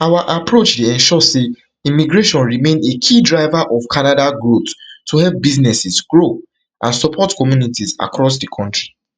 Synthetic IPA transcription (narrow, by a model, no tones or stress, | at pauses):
awaʔapɹot͡ʃdeɛ̃nʃɔse | ĩmiɡɹeʃɔ̃nɹimẽnekʰidɹaɪvaʔɔvkʰanadaɡɹottʰːuhɛlp̚biznɛsisɡɹo | ʔãnsɔpʰɔtkɔmjunitiza̰kɹɔs̬dikʰɔ̃ntɹi